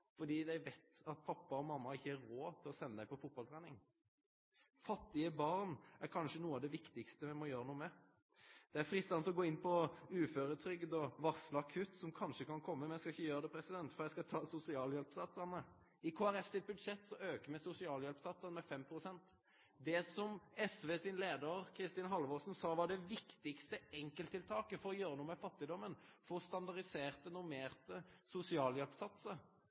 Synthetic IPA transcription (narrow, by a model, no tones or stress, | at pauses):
fɔd̪iːd̪æɪʋɛɪt̪ɑt̪̚pʰɑpːɑɔmɑmːɑɪçːəæɾɾoːt̪ʰɪlɔsɛnːəd̪æɪpɔfʊt̪̚bɑlt̪ʰɾɛːnɪŋ | fɑt̪ːɪəbɑʁnæɾkʰɑnʂənuːəɑd̪ɛʋɪkt̪ɪkst̪əmɛmɔjøːɾənuːəmɛ | d̪̥ɛæfɾɪst̪ɑnsɔɡoːɪnpʰɔʉːføːɾət̪ʰɾʏɡd̪ɔʋɑʁsləɑkʰʉt̪sɔmkʰɑnʂəkɑnkʰɔmːəmɛnjæɪskɑɪçːəjøːɾəd̪ɛpʰɾɛsɪd̪ɛnt̪fɔɾjæɪskɑt̪ʰɑːsʊsɪɑːljɛlpsɑt̪sɑːmə | ɪkʰoːæɾɛssɪt̪̚bʉd̪ʂɛt̪ːsɔøːkəmɛsʊsɪɑːljɛlpsɑt̪sənmɛfɛmpʰɾʊsɛnt̪ | d̪ɛsɔmɛsʋeːsɪnleːd̪əɾkʰɾɪst̪ɪːnɦɑlʋɔsn̩sɑːʋɑɖɛʋɪkt̪ɪkst̪əɛŋkəlt̪ʰːɪlt̪ʰɑːkəfɔɾɔjøːɾənuːəmɛfɑt̪ːɪd̪ɔmːənfɔst̪ɑnd̪ɑɾɪseːʁt̪ənʊmeːʁt̪əsʊsɪɑːljɛlpsɑt̪sə